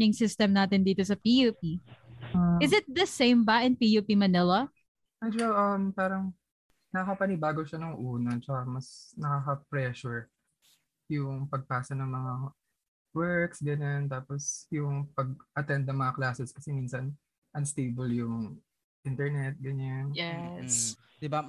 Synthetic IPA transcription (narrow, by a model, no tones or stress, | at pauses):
ɪŋsɪst̪ɛmnaːt̪ɪnd̪iːt̪osɐpijuːpioɪzɪt̪̚d̪ɐsẽjmbɐʔɪnpijupimɐnɪlɐ | ʔajd͡ʒawʔɐmpaːɾɐŋ | nɐɐkɐpɐnɪbaːɡoʃanɐŋʔuːnɐt͡ʃɐkamɐsnɐkaːkɐpɾɛʃʊɹ | jʊŋpɐɡ̚paːsɐnɐŋmɐŋa | wɛɹksɡɐɲant̪aːposjʊŋpɐɡ̚ʔɐt̪ɛnd̪̚nɐŋmɐŋaklaːsɛskɐsɛmiːnsɐn | ʔɐnst̪ejbɐljʊŋ | ʔɪnt̪ɛɹnɛt̪̚ɡɐɲanjɛs | d̪ɪba